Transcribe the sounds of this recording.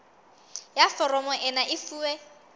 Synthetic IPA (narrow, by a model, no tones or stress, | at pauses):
jafɔɾɔmɔʔɛnaʔɪfuːwe